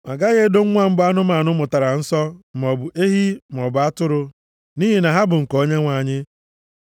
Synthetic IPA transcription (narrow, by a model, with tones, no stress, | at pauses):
ma̰˨ɡa˦ɣe˦do˦ŋ̩˦ŋʷa˦m̩˦ba˦nʊ˦ma˨nʊ˦mʊ˨ta˨ɾa˨n̩˦sɔ˦m˨ɔ˨bʊ˨ʔe˦ɦi˦m˨ɔ˨bʊ˨a˦tʊ˦ɾʊ˦ | ni˦ɦi˨na˨ɦa˦bʊ˨ŋ̩˨ko˦ɲe˦ŋʷa˨ɲɪ˦